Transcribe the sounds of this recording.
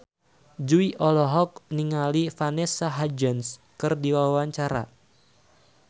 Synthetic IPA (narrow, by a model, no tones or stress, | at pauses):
d͡ʒuiʔɔlɔɦɔk̚niŋalifanɛsaɦad͡ʒəns | kɨrdiwawaɲt͡ʃaɾa̰